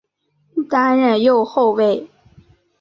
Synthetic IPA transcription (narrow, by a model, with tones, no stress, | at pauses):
t̪a˥nɻə˥˧njo˥˧ʊxo˥˧ʊwe˥˩ɪ